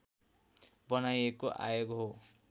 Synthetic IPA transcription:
bʌnajekoʔa̰joɡɦo

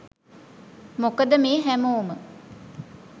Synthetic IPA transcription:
mokəd̪əmeːɦæmoːmə

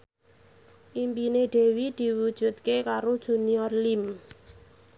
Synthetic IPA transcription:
ʔimpineɖ̥e̤wid̪̥i̤wud̥ʒ̥ṳt̪̚kekaɾod̥ʒ̥ṳniɔrlim

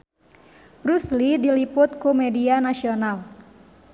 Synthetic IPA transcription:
bɾuslidilipʊt̪̚kumɛdianasional

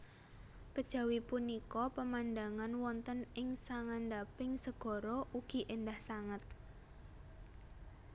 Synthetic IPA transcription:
kəd̥ʒ̥ä̤wipunikɔpəmand̪aŋanwɔnt̪ənɪŋsaŋand̪apɪŋsəɡ̥ɔ̤ɾɔʔuɡ̥i̤ʔendahsaŋət̪̚

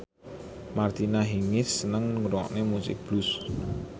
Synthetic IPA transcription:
mart̪inaɦiŋɪsːənəŋuɾɔʔnemusɪ̰k̚b̥lus

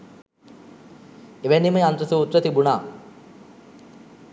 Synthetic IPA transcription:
eʋeniməant̪ɾəsuːt̪rət̪ibunaː

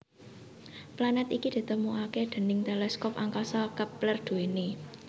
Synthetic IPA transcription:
planɛt̪ikid̪̥i̤t̪əmuʔakeɖ̪̥ə̤nɪŋt̪elɛskɔpaŋkasɔkəplərd̪̥ṳwene

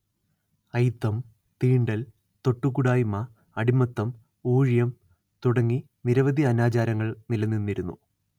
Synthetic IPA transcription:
ɐjt̪ːɐm | t̪iːɳɖɐl | t̪o̞ʈːukːuɽaːjumɐ | ɐɽimɐt̪ːɐm | uːɻjɐm | t̪uɽɐŋːi | niɾɐʋɐd̪iɐnaːt͡ɕaːɾɐŋːɐɭnilɐnːinːiɾunːṵ

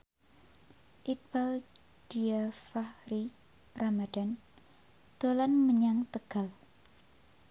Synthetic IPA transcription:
ʔit̪̚bal | d̥iafahɾi | ramadan | d̪̥olanməɲaŋt̪əɡ̥a̤l

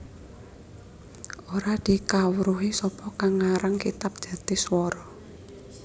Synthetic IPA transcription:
ʔoɾad̪̥i̤kawɾuɦisɔpɔkaŋaɾaŋkit̪ap̚d̥ʒ̥a̤t̪ɪhswɔɾɔ

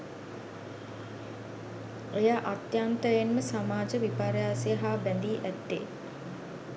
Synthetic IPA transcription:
ejaʔat̪jaːnt̪əjenməsamaːd͡ʒəʋipaːɾjaːseəɦaːbɛnd̪iːʔæt̪ːe

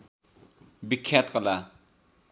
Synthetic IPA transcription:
bikʰːat̪̚kəla

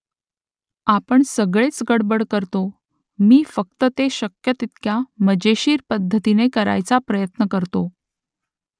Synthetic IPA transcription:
apəɳsəɡɭet͡sɡəɽbəɽkəɾt̪o | miːfək̚t̪ət̪eɕəkjət̪it̪kjaməd͡ʑeɕiːɾpəd̪ʱːət̪inekəɾa̰jt͡sapɾəjət̪nəkəɾt̪o

